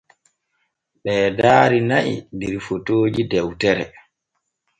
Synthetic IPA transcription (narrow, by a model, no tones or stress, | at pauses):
ɓɛːdaːɾinaʔḭdiɾfotoːd͡ʒidɛwtɛɾɛ